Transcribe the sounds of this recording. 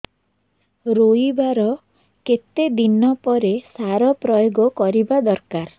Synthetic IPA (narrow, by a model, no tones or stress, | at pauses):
ɾoibaɾɔ | ket̪ed̪inɔpɔɾesaɾɔpɾɔjoɡɔkɔɾibad̪ɔɾkaɾ